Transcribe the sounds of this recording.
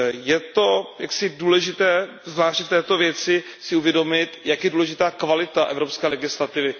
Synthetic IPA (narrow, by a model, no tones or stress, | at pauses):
jɛt̪o̞jaksɪduːlɛʒɪt̪ɛː | zvlaːʃcft̪ɛːt̪o̞vjɛt͡sɪ | sɪuvjɛdo̞mɪt̪jakjɛduːlɛʒɪt̪aːkvalɪt̪aʔɛ̰vɾopskɛːlɛɡɪslat̪ɪvɪ